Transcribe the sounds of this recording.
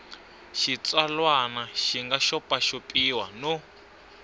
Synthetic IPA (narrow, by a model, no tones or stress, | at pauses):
ʃit͡sʼalwanaʃiŋɡaʃɔpʼaʃopʼiwano